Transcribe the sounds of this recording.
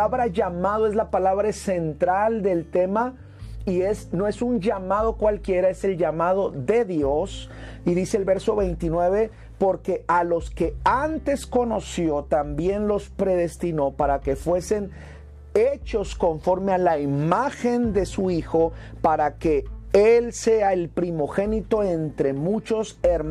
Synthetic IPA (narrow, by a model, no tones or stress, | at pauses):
aβɾaʝamaðoe̞zlapalaβɾase̞nt̪ɾald̪e̞lt̪e̞ma | ie̞sno̞e̞sund͡ʒamað̞o̞kwalkje̞ɾae̞se̞lʝamað̞o̞ðe̞ðjo̞siðiseːlβe̞ɾso̞βe̞jnt̪inwe̞βe̞ | po̞ɾke̞ʔalo̞ske̞ant̪e̞sko̞no̞sjo̞t̪ambje̞nlo̞spɾe̞ðe̞st̪ino̞paɾake̞fwe̞se̞n | et͡ʃo̞sko̞ɱfo̞ɾme̞alaimaxe̞nd̪e̞suixo̞ | paɾake̞else̞aelpɾimo̞xe̞nit̪o̞e̞nt̪ɾe̞mut͡ʃo̞seɾ